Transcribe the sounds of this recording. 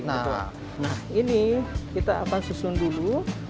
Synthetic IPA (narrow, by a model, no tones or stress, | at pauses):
na | nahinikit̪aːkansusʊndulu